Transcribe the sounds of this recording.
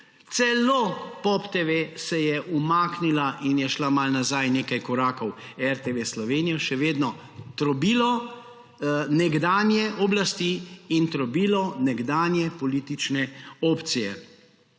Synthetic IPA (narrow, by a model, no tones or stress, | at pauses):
t̪sɛlopɔpt̪eʋesɛjɛʔumaːknilaʔinjɛʃlamalnazajneːkajkɔɾaːkɔw | ɛɾt̪eʋeslɔʋeːnijɔʃɛʋeːd̪nɔ | t̪ɾɔbiːlɔ | nɛɡd̪aːnjɛʔɔblast̪iint̪ɾɔbiːlɔnɛɡd̪aːnjɛpɔliːt̪it͡ʃnɛopt̪sijɛ